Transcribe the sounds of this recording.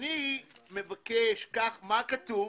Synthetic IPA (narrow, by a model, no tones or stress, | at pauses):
nime̞vakeʃkaχmakatu